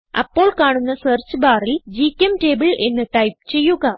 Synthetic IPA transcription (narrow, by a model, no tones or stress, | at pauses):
ɐ̰pːo̞ːɭkaːɳunːɐsɐːrt͡ɕːɨbaːrild͡ʑiːkʲːemte̞ːbɨɭe̞nːɨʈɐjp̚t͡ɕe̞jːuɣɐ